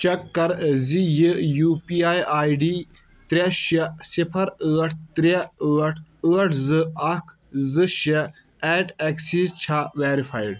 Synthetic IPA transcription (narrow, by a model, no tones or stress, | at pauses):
t͡ʃɐkːɐɾzijɨjuːpiːaːjaːjɖiː | t̪ɾʲeʃɐsipʰɐɾəːʈʰt̪ɾeəːʈʰəːʈʰzɨɐkʰ | zɨʃɐ | ɛːʈɐksiːzt͡ʃʰaʋeːɾifʰaːjɖ